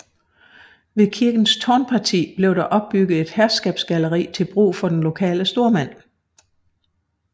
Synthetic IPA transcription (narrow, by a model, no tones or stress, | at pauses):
ʋe̝kʰiɐɡ̥n̩st͡sʰɒːnpʰɑ̈t͡sʰḭːb̥le̝ʊɾ̥ɑ̈ʔɒ̽b̥̚ːyɡ̥ð̩ˠe̝d̥hæɐsɡ̥ɛ̰ːb̥sɡ̥æləʁḭːt͡sʰe̝lb̥ʁṵːfɒ̽d̥enlo̝kʰɛ̰ːləsd̥o̝ɐmæn̰